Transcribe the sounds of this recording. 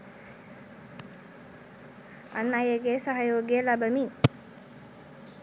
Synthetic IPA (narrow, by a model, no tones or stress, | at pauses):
a̰nːajeɡesaɦajoːɡelabəmiŋ